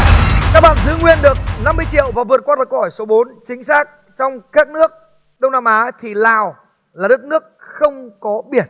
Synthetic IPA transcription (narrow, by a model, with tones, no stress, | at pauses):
ka˦˥k̚ɓaː˧˨nzɨ˨˦ŋwi˧ənɗɨ˨˩ək̚na˧mːɨ˧əjt͡ɕḭ˧˨əwvaː˨˩vɨ˨˩ət̚kwaː˧˥lə˨˩kxɔ˧˩jso˨˦ɓo˨˦nt͡ɕï˨˦ŋ̟saː˦˥k̚ | t͡ɕɔ˧wŋ͡mkaː˦˥k̚nɨ˦˥ək̚ | ɗə˧wŋ͡mna˧mʔaː˨˦t̪ʰi˨˩laː˨˩w | laː˨˩ɗə˦˥t̚nɨ˦˥ək̚xə˧wŋ͡mkɔ˨˦ɓi˧˩ən